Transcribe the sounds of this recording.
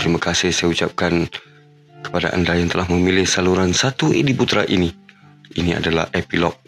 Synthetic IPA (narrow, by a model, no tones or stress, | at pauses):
t̪əɾimakasɪhsajaut͡ʃap̚kan | kə̥pada̰ʔa̰ndajaŋt̪əlahməmilɪhsaluɾansat̪uḭdiput̪ɾa̰ʔini | inia̰dala̰hʔepilɔk̚